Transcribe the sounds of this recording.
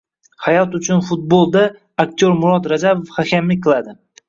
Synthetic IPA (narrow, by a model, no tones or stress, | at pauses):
hajɒt̪ʊt͡ʃʰʊnfʊt̪̚bolˠd̪aː | kt̪ʲʰjoɾmʊɾɒt̪ɾad͡ʒabofhakʲʰamlɪkʲqʰɨlˠad̪ɪ